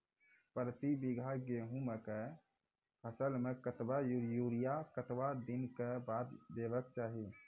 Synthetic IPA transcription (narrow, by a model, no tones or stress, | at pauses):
pɾət̪ibɪɡʱaɡeːɦũmẽke | pʰəsəlmẽkət̪bajujuːɾijakət̪ʋad̪ɪnkebaːd̪d̪eːʋək̚t͡ʃaːɦi